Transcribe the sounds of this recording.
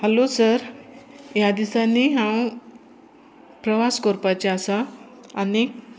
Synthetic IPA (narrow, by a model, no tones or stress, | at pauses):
həlosəɾ | jad̪isanːiːɦãw | pɾəʋaskoɾpat͡ɕeasaː | ni